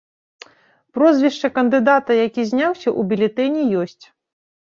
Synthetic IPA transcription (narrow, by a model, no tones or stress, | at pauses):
pɾɔzʲvʲiʂt͡ʂɐkɐnd̪ɨd̪at̪ɐjakʲizʲnʲawsʲɐʔubʲilʲɛt̪ɛnʲijɔsʲt͡sʲ